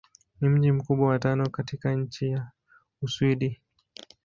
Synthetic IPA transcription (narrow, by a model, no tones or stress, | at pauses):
nim̩ʄim̩kuɓwawatanɔkatikaɲ̩t͡ʃija | uswiɗi